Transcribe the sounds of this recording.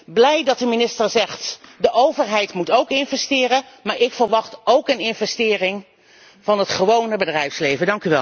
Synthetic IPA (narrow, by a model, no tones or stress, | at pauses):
blɛjdɑt̚əminɪstəɹzɛχtdəʔowvəɹɦɛjtmutowkɪnvɛstɪːɾəmaːɹɪkfəɹʋɑχtowkənɪnvɛstɪːrɪŋ | v̥ɑnɦətχəʋownəbədrɛjfslejvədɑŋkyʋɛ̰l